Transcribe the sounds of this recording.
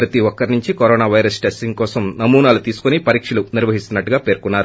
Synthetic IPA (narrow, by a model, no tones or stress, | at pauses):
pɾɐt̪iʋɔkːɐɾnuɲt͡ʃikoɾɔːnaːʋɐjɾɐsʈesʈiŋɡkɔːsɐmnɐmuːnaːlut̪iːsu̥kunipɐɾiːkʂɐluniɾʋɐɦist̪unːɐʈːuɡaːpe̞ːɾkunːaːɾu